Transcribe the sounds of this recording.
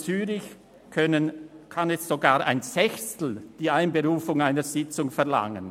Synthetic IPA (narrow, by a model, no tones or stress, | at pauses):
t͡syːʁɪç | nənkʰanɛssoɡaːʔa̰ɪnsɛçstl̩d̥iːaɪnbeʁuːfʊŋaɪnəz̥ɪt͡sʊŋfɛɐla̰ŋən